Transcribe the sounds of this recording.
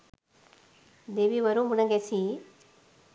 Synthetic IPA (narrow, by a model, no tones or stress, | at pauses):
d̪eʋiʋɐɾumunɐŋɡesi